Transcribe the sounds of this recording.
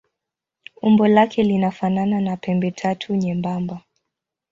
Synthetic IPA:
umbɔlakʰɛlinafanananapɛmbɛtʰatʰuɲɛmbamba

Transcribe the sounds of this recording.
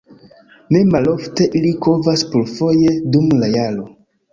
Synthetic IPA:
ne̞malo̞fte̞ʔilikovaspuɾfoje̞dumlajalo̞

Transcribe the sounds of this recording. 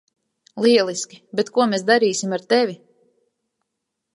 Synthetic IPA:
lˠiɛlˠiskʲi̥bɛt̪kuɔmes̬d̪aɾiːsimaɾt̪ɛvʲi

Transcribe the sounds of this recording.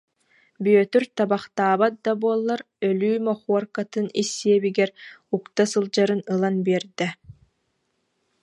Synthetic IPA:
byœt̪yɾt̪abaχt̪aːbat̪̚d̪abuɔlˠːaɾ | œlyːmɔχuɔɾkat̪ɯnisːiɛbiɡɛɾukt̪asɯlˠd͡ʑaɾɯnɯlˠanbiɛɾd̪ɛ

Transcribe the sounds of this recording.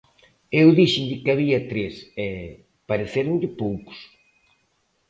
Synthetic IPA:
ewðiʃind̪ɪkɪaβiɐt̪ɾesɛ | paɾeθeɾʊɲʎɪpowkʊ̥s

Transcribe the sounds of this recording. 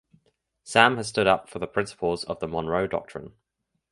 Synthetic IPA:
sãməz̥s̬tʊɾʌpfəðəpʰɹ̥ɪ̃nsɪ̥pʰəlˠzə̰vðəmɒ̃nɹəʊdɒ̰k̚tʰɹ̥ɪ̰̃n

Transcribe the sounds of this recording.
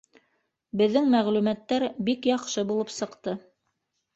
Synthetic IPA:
bɘ̆ðːɘŋmæʁlʉmæt̪ːæɾbikjɑqʃɤbulˠɤpsɤ̆qt̪ɤ

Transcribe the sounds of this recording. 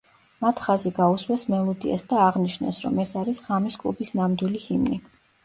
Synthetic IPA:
mat̪ʰχaziɡauswɛsmɛlˠɔd̪ia̰sd̪aːʁniʃnɛ̰sɾɔ̰mɛsaɾisʁamiskʼlˠṵbisnamd̪wilihimni

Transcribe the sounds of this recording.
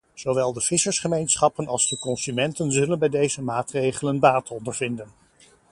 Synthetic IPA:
z̥oʋɛlˠdəv̥ɪsəɹsχəmejnsχɑpənɑlˠzdəkɔnsymɛntənzɵlənbɛjdejzəmaːtrejχələnbaːtɔndəɹvɪndən

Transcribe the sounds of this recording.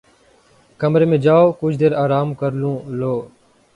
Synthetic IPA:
kəmɾeːmẽːd͡ʒaːoːkʊd͡ʒʱd̪eːɾaːɾaːmkəɾlũːloː

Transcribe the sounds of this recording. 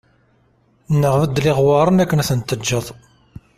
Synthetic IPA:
nːəʁvəd̪ːliʁwɑɾˤənækːənæθənt̪ːəd͡ʒːəðˤ

